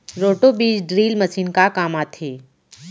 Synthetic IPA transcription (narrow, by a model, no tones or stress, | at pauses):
ɾoːʈobiːd͡ʒɖɾiːlməsiːnkakaːmaːt̪ʰeː